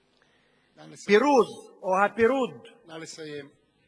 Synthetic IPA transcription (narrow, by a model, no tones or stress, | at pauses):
iɾud̪ohapiɾud̪